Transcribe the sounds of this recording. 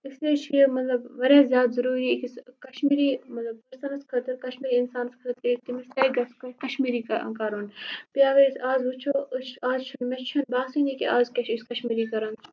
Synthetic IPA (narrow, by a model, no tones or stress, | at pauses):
ɪslet͡ʃʰijmɐt̪lɐbʋɐɾeːzʲjaːt̪zɐɾuːɾiːkiskɐʃmiːɾiːmɐt̪lɐb̚pɐɾsɐnɐskʰɐt̪ɐɾkɐʃmiːɾiːɪnsaːnskʰɐt̪eːk̚t̪imist̪ɐiɡɐskkɐʃmiːɾikɐkaːɾoːnpjaːʋɐisaːzɦut͡ʃʰoːt͡ʃaːzt͡ʃʰɐnmɐt͡ʃt͡ʃʰɐnbaːsinikiaːzkɐʃiskɐʃmiːɾikɐɾɐnt͡ʃʰ